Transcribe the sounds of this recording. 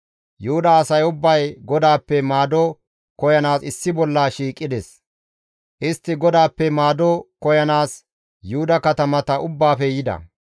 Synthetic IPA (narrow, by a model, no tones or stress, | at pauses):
jʊhʊd̪ɐːsɐjʊbːɐjɡɔd̪aːpːɛmaːd̪ɔ | kɔjɐnaːsɪsːɪbɔlːaʃiːkʼːɪd̪ɛs | ʔɪst̪ːɪɡɔd̪aːpːɛmaːd̪ɔkɔjɐnaːs | jʊhʊd̪ɐkɐt̪ɐmɐt̪ɐʔʊbːaːfɛjɪd̪ɐ̰